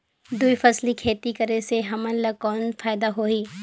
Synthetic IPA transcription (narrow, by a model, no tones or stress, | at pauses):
d̪uifɐslikʰeːt̪ikɐɾeseɦɐmənlɐkɔːnfaːɪd̪aɦoːɦiː